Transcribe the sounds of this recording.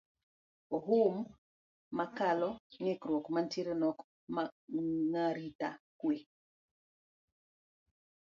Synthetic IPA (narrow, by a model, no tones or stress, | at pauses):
ɔɦumː | akalɔŋɛkɾwɔkmantiɾenɔk | maŋaɾita̰kwe